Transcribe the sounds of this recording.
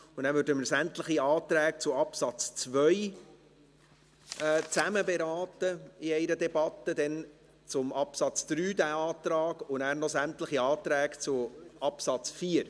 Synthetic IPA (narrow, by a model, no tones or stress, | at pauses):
ʊnæːɾvʏɾdəməɾsæmt̪ləχiɑːt̪ɾæːk̚t͡sʊɑpsɑt͡st͡svœʏ | ɛːt͡sæməbeɾɑːt̪əɪɛɪɾədɛbɑt̪ːədɛn | t͡sʊmʔɑpsɑt͡sd̪̥ɾyːdæːɑːt̪ɾɑːɡʊnæːɾnɔsæmt̪ləχiɑːt̪ɾæːkt͡sʊɑpsɑt͡sfiːəɾ